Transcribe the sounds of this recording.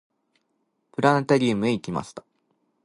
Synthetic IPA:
pɯ̟ɾãnt̪aɾʲiːmɯ̟eikʲima̰ɕi̥t̪ḁ

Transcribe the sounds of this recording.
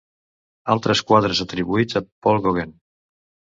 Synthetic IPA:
alˠt̪ɾəskwaðɾəzət̪ɾiβuid͡zapɔlˠɣoɣen

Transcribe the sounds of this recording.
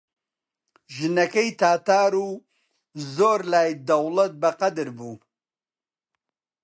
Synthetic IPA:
ʒɨnɐkɐjt̪ʰaːt̪aːɾuː | zoːɾlaːjd̪ɐwlɐt̪̚bɐqɐd̪ɨɾbuː

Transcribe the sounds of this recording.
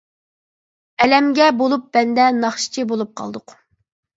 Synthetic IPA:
ɛlɛmɡʲɛbolˠup̚b̥ɛnd̪ɛnɑχʃi̥t͡ʃʰibolˠup̚qʰɑ̰lˠd̪ʊq

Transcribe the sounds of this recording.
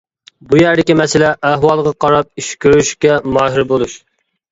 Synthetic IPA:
bujæɾd̪ɪkʲimɛsɪlɛʔːɦwɑlˠʁɑqʰɑɾɑp̚iʃkʲʰøɾyʃkʲɛmɑːɦɪɾbolˠuʃ

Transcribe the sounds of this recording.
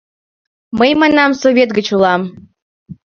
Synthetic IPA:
məjmɑnɑmsovʲet̪̚ɡət͡ɕulˠɑm

